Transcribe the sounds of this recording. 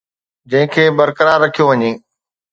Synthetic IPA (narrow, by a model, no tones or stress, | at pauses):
d͡ʑɐ̃ɦɪ̃kʰeːbɐɾkəɾaːɾːɐkʰijoʋɐɲeː